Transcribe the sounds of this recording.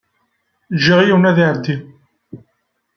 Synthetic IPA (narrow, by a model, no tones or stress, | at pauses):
ʒːiʁjiwnæðiʕɾd̪ːim